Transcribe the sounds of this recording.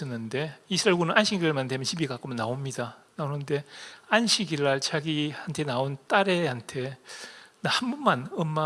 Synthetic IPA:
ʌnːɯnde̞isʰɯaɭɡunɯnʔanɕʰiɡiaɭmandemjʌnɕʰibiɡak͈ɯmnaomɲidanaonɯnde̞anɕʰiɡiɾːaɭt͡ɕaɡihantʰe̞naont͈aɾe̞ɦantʰe̞ | nahambunmanʌmːa

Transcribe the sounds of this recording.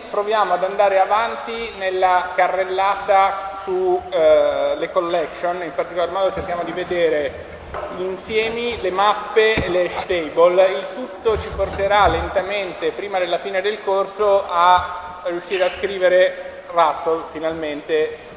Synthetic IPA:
pɾovjaːmoad̪and̪aːɾeavant̪inelːakarːelːaːt̪asu | lekolːɛksonimpart̪ikolaɾmɔːd̪ot͡ʃerk̟jaːmod̪ived̪eːɾe | ʎinsjɛːmilemapːelet̪ejbolilt̪ut̪ːot͡ʃiport̪eɾalent̪ament̪epɾiːmad̪elːafiːned̪elkorsoʔa | riuʃːiːɾeaskɾiːveɾe | rat̪solfinalment̪e

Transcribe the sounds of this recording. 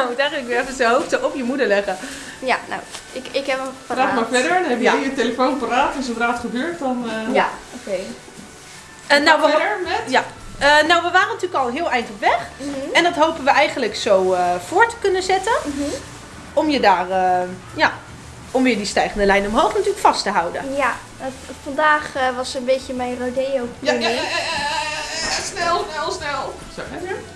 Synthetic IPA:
mutɛjχənləkʋɪɛfənsəɦowftəʔɔpjəmudəlɛɣə | jano̰wɪkɪkɛpraːtmaːɹfɛdəɹdɔnhɛbjajəteləfonparaːtɪsənraːtχəbøːɹt̚dɔnjaokej | ənowʋəəɹmɛtjaənowʋəʋaːrənatyːləkɔlˠɦɪːlˠɛjntɔpʋɛχɛndɔtɦowpənʋəʔɛjχən̩ləksowəfʊːɹtə̥kɵnənzɛtən | ɔmjədaːrə | ja | ɔmʋɪːɹdistɛjχəndəlɛjnɔmɦowχnatyːəkfɑstəɦʌwdə̰nja | fɑndaːχʋɑsəənbejcəmɛjnrowdejowpəni | snɛlˠɛlˠsnɛlˠ

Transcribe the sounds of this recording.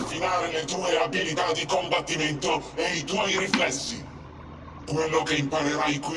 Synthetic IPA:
finaːɾɪlet̪uːeabilit̪ad̪ikombat̪ːimɛnt̪ʊɛit̪wɔjɾiflɛsːḭ | kwelːʊkeimpaɾeɾajkwi

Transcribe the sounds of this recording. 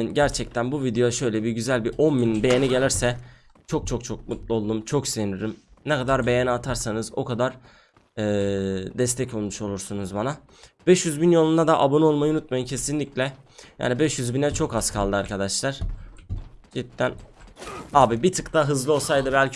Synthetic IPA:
nɟæɾt͡ʃʰɛc̚t̪ʰænbuvid̪eoʃø̞jlʲɛbiɟyzælʲbiʔo̞nmininbe̞jeniɟe̞lʲiɾsɛ | t͡ʃʰo̞k̚t͡ʃʰo̞k̚t͡ʃʰo̞k̚mut̪lˠuolˠd̪umt͡ʃʰo̞kseiniøɾymnɛkad̪aɾbe̞jenat̪ʰaɾsanɯzo̞̰kʰad̪aɾː | d̪ɛs̬t̪ʰɛcolˠmuʃo̞lˠuɾsunuzbana | b̥ɛʃjyzbinjo̞lˠund̪ad̪aʔabonuo̞lˠmajɯunut̪̚majɯncʰe̞sinlʲiclʲɛ | ja̰ːnibɛʃjyzbinɛt͡ʃʰo̞kaskʰalˠd̪ɯaɾkʰad̪aʃlˠaɾ̥ | d͡ʒit̪ːæn | aːbibit̪ʰɯkt̪ʰaɦɯzlˠɯo̞lˠsajd̪ɯbælʲcʰ

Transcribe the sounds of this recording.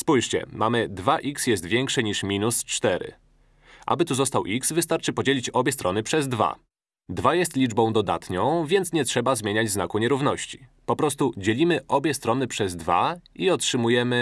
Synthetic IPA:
spujʂt͡ɕɛ̰mamɘd̪vaʔiksjɛst̪vʲjɛŋkʂɛɲiʂmʲinust͡ʂt̪ɛɾɘ̰ | ʔa̰bɘt̪uzɔst̪awʔiksvɘst̪aɾt͡ʂɘpɔd͡ʑelʲit͡ɕɔbʲjɛst̪ɾɔnɘpʂɛzd̪va̰ | d̪vajɛst̪lʲid͡ʐbɔ̃w̃d̪ɔd̪a̰t̪ɲɔ̃w̃vʲjɛnt̪sɲɛtʂɛbazmʲjeɲad͡ʑznakuɲɛɾuvn̪ɔɕt͡ɕi̥pɔpɾɔs̬t̪ud͡ʑelʲimɘʔɔbʲjɛst̪ɾɔnɘpʂɛzd̪va̰iɔtʂɘmujɛmɘ

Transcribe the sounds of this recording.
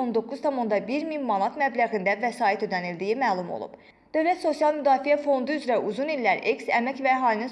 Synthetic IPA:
ond̪o̞kʰːuzt̪ʰɑmo̞nd̪ɑbiɾminmɑnɑt̪mæblæɣind̪ævæsɑːit̪ø̞d̪ænild̪ijimæːlˠumo̰lˠṵb̥ | d̪̥ø̞vlæt̪so̞sijɑlˠmyd̪ɑːfijæfo̞nd̪uyzɾæʔuzunilːæɾeksæmɛcvæɦɑːlinin

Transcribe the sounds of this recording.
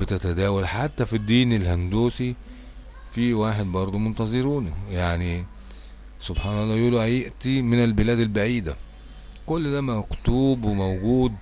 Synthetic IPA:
bɪt̪æt̪æd̪æːwælħat̪ːæfid̪ːiːnelhænd̪uːsi | fiwaːħed̪bɑɾˤd̪ˤomont̪ɑzˤeɾuːnjaʕni | sobħaːnɑlˤːɑːjʔuːluʔæjeʔt̪imɪnælbɪlæːd̪ælbaʕiːd̪æ | kolːd̪æːmækt̪uːbwemowɡuːd̪

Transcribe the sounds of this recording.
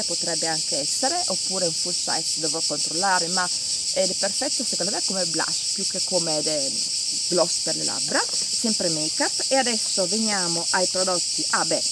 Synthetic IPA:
pot̪ɾɛbːeaŋkeɛsːeɾeʔopːuːɾeiɱfuso̰ɛksod̪ovɔkːont̪ɾolːaːɾema | ɛd̪ɛpːerfɛt̪ːosekond̪mɛkomebla̰ʃpjukːekːomed̪ɛ | ɡlɔsperlḛlʔa̰bɾa | sɛmpɾemejkapːead̪ɛsːoveɲjaːmoʔajpɾod̪ɔt̪ːiʔabɛ

